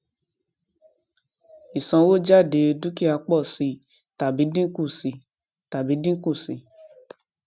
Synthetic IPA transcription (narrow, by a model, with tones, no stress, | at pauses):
i˨sɔ̃˧wo˦d͡ʒa˦˨de˨˧˦dũ˦ki˦a˧k͡pɔ˦˨si˧ | ta˨bi˨˦dĩ˦ku˦˨si˧ | ta˨bi˨˦dĩ˦ku˦˨si˧